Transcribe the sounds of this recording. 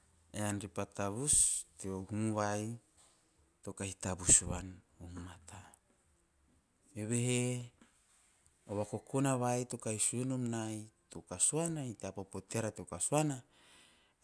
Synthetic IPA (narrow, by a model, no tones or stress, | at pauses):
eanɾipat̪abust̪eohumuwaj | t̪okahit̪abusuβan | ohmat̪ʰa | eβeɦe | oβakokonaβajt̪okaisuenomnajt̪okasuanait̪eapapot̪eɾat̪eokasuana